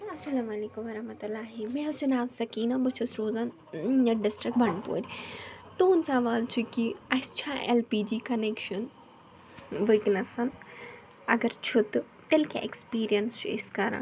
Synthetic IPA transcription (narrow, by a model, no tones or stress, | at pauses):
ɐsɐlaːmɐleːkumɐɾɐɦmɐt̪ulːaːɦimẽɐst͡ʃunaːʋsɐkiːnɐbɐt͡ʃʰɐsɾoːzan | ɐɖɪsʈɾik̚bɐɳpo̰ːɾit̪oːnsɐʋaːlt͡ʃʰikiɐst͡ʃʰãʔḛlpiːd͡ʒiːkɐneːkʃɐn | ʋɨknɐsɐn | ɐɡɐɾt͡ʃʰut̪ | t̪elkʲa̰ʔekspiːɾijɐnst͡ʃʰuḭskaːɾɐ̰n